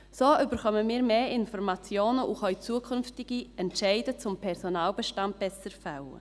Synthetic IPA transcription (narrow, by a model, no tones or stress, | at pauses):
soːʔʏbəɾχœməmiːɾmeːʔɪnfɔrmat͡sjoːnəʔuχœʏt͡suːəkʰʏnftɪɡiɛntʃɛɪdət͡sʊmpʰɛɾsonaːlbɛʃtant̚b̥ɛsəɾfawə̰